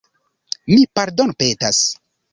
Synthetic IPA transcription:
mipaɾdonpetas

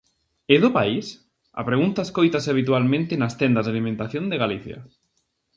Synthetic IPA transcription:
ɪðʊpais | ɐ̰pɾeɣunt̪aeskojt̪asɪaβ̞it̪ualmẽnt̪ɪnɐst̪ɛnd̪azðalimẽnt̪aθjõnd̪eɣaliθjɐ̰

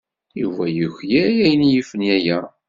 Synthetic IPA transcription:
juvæjuçjæjæjənjifənjæjæ

